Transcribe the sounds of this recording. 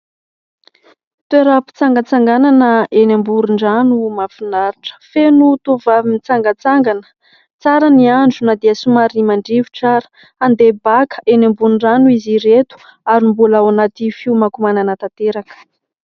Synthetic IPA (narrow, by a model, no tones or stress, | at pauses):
t̪weɾapi̥t͡saŋɡət͡saŋɡananəenambuɾuɳɖ͡ʐanumafinaɾiʈ͡ʂə̥fenut̪ovavimit͡saŋɡət͡saŋɡanə | t͡saɾəniaɳɖ͡ʐunad̪iəsumaɾimaɳɖ͡ʐivi̥ʈ͡ʂaɾə̥ | and̪ebakə̥ʔenambunɳɖ͡ʐanuiziɾet̪u̥ | aɾimbulaanat̪ifiwmakumananət̪at̪eɾakə̥